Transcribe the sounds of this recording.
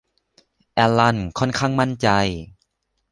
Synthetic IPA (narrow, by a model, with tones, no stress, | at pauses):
ʔɛː˧la˧˩nkʰɔː˧˥˨nkʰaː˥˩ŋma˧˥˨nt͡ɕa˧j